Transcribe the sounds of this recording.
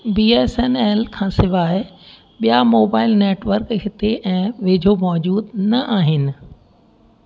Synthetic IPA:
biːeːsɛnɛːlkʰãːsɪʋaːɪ | ɓijamoːbaːɪlneːʈʋəɾkɦɪt̪eʔɛ̃ːʋeːd͡ʑʱomɔːd͡ʑuːd̪nɐʔaːɦɪnɪ̆

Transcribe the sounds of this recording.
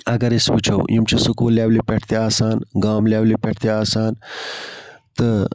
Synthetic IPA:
ɐɡɐɾisput͡ʃʰɐwjimt͡ʃʰisukuːljaːʋlipeʈʰt̪eaːsaːnɡaːmljaːwlipeʈʰt̪eaːsaːn | t̪ɨ

